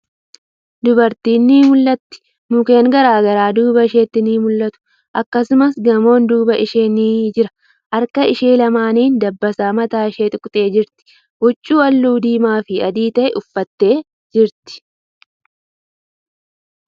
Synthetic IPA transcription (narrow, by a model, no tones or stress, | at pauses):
d̪ʊbɐɾt̪iːnːiːmʊlːɐt̪ːɪ̥ | mʊkeːŋɡɐɾaːɡɐɾaːd̪uːbɐɪʃeːt̪ːɪniːmʊlːɐt̪ʊ̥ | ʔɐkːɐsʊmɐsɡɐmo̞ːnd̪uːbɐʔɪʃe̞ːniːd͡ʒɪɾɐ̥ | ʔɐɾkɐɪʃeːlɐmaːniːnd̪ɐbːɐsaːmɐt̪aːɪʃe̞ːt̪ʊkʼt̪ʼe̞ːd͡ʒɪɾt̪ɪ̥ | wɔt͡ʃʼːuːwɐlːuːd̪iːmaːfɪɐd̪iːt̪ɐʔɛʔʊfːɐt̪ːe̞ː | d͡ʒɪɾt̪ɪ̥